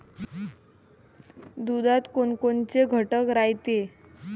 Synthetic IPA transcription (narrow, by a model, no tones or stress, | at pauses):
d̪ud̪at̪koɳkont͡seɡʱəʈəkɾajt̪e